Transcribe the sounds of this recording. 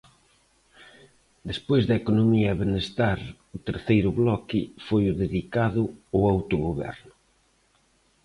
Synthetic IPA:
d̪espojzðɐekonomiɐβenest̪aɾ | ʊt̪eɾθejɾʊβlɔkɪ̰fojʊðeðikaðʊoawt̪ʊɣoβɛ̰ɾnʊ

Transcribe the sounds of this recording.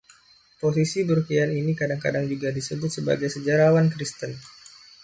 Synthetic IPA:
pos̬isibəɾukianinikadaŋka̰daŋd͡ʒuɡadisəbʊt̪səba̰ɡajsəd͡ʒaɾawankɾist̪ən

